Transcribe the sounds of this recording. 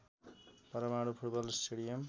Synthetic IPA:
pʌɾʌmaɽupʰuʈbʌlsʈʰeɽijʌm

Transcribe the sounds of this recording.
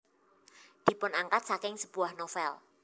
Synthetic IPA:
d̪̥i̤pʊnaŋkat̪̚sakɪŋsəb̥uahnofɛl

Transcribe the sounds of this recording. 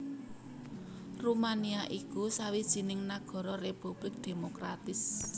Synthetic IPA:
rumaniaʔikusawid̥ʒ̥i̤nɪŋnaɡ̥ɔ̤ɾɔrepub̥lɪk̚d̪̥e̤mokɾat̪ɪs

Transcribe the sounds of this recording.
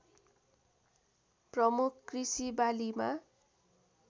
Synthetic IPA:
prʌmukʰkrisibalima

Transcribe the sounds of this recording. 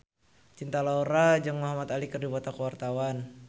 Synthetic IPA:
t͡ʃint̪alauɾad͡ʒaŋmɔɦamat̪alikɨrdibat̪akəwart̪awan

